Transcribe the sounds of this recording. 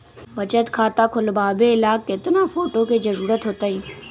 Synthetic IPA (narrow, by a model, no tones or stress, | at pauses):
bət͡ʃət̪kʰaːt̪aːkʰʊlbaːbeɪlaːkːɪt̪nãfoːʈoked͡ʒəɾuːɾət̪ɦoːt̪aiː